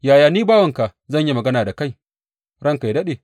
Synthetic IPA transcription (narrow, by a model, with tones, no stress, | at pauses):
jaː˨jaː˨niː˦baː˦wɐ˨ŋka˨zɐ˦˨ɲji˦mɐ˨ɡɐ˦naː˨da˨ka˦j | ɽɐ˦ŋka˨jdɐ˦ɗeː˨